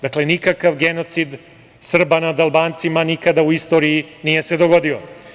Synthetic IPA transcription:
d̪akle̞nikakaʋɡeno̞t̪sid̪ | sr̩banad̪alˠbaːnt̪simanikad̪auist̪o̞ːɾijinije̞se̞d̪o̞ɡo̞d̪io

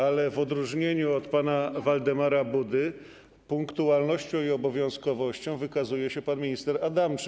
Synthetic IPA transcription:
alɛvɔd̪ɾuʐɲeɲuɔt̪panavald̪ɛmaɾabud̪ɘ | puŋkt̪ualnɔɕt͡ɕɔ̃w̃iɔbɔvʲjɔ̃w̃skɔvɔɕt͡ɕɔ̃w̃vɘkazujɛɕɛpanmʲiɲist̪ɛɾad̪amt͡ʂ

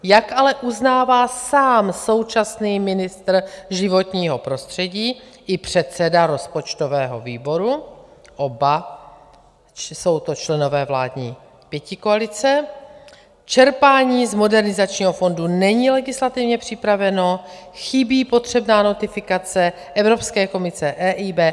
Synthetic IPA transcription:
jakalɛʔuznaːvaːsaːmso̞wt͡ʃasniːmɪnɪst̪r̩ʒɪvo̞t̪ɲiːɦopɾo̞st̪r̝̥ɛɟiːʔɪpr̝̥ɛt̪sɛdaɾo̞spo̞t͡ʃt̪o̞vɛːɦo̞̰viːbo̞ɾu | ʔo̞ba | so̞wt̪o̞t͡ʃlɛno̞vɛːvla̰ːdɲiː | pjɛcɪkoalɪt͡sɛ | t͡ʃɛɾpaːɲiːzmo̞dɛɾnɪzat͡ʃɲiːɦo̞fo̞ndunɛɲiːlɛɡɪslat̪ɪvɲɛpr̥ɪpɾavɛno̞xɪbiːpo̞t̪r̝̥ɛbnaːno̞t̪ɪfɪkat͡sɛ | ʔɛvɾo̞pskɛːko̞mɪsɛʔɛːʔiːbɛː

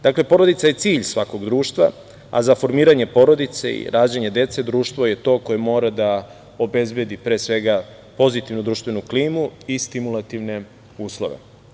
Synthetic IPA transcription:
d̪akle̞po̞ɾod̪it̪saje̞t̪siːʎsʋako̞ɡd̪ɾuːʃt̪vʋa̰ | a̰zafo̞ɾmiːɾaɲe̞po̞ɾo̞d̪it̪seḭɾaːd͡ʑeɲe̞d̪e̞t̪se̞d̪ɾuːʃt̪ʋo̞je̞t̪o̞ːko̞jemoːɾad̪a | o̞be̞zbje̞d̪ipɾe̞ːsʋe̞ɡa | po̞zit̪iʋnud̪ɾuːʃt̪ʋenukliːmuist̪imulat̪iʋne̞ | uːslˠo̞̰ʋe̞̰

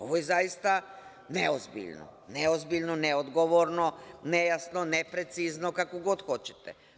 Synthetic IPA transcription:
o̞̰ʋojezajist̪a | neozbḭʎno̰neozbiʎnoneod̪ɡoʋoɾnonejasnonepɾet̪siznokakoɡod̪xo̞t͡ɕe̥t̪ɛ

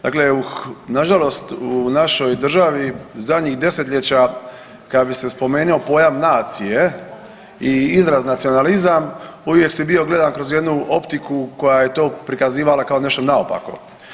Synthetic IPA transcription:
d̪̥a̰ːkle̞unaʒalo̞st̪unaʃo̞jd̪r̩ʒaʋizad̪ʲɲixd̪e̞se̞t̪ʎet͡ɕa | kad̪abise̞spo̞me̞ːnio̞po̞ːjamnaːt̪sije̞ | iizɾaznat̪sio̞nalizamuʋje̞ksibio̞ɡle̞d̪ankɾozje̞d̪nuo̞pt̪ikuko̞jaje̞t̪o̞ːpɾikaziːʋalakao̞ne̞ʃt̪onaopa̰ko̞̰

